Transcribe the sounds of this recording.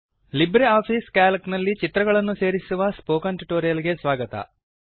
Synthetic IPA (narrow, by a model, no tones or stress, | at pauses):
libɾeaːpʰiːskaːlɐknɐlːit͡ʃit̪ɾɐɡɐɭɐnːuse̞ːɾisuʋɐspoːkɐɳʈɾiʈoːɾijɐlɡe̞sʋaːɡɐt̪ɐ̰